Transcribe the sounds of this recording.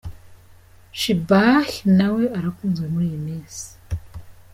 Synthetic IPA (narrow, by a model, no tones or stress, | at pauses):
ʃibaxinaweʔaɾakuːnzwemuɾimeːsi̥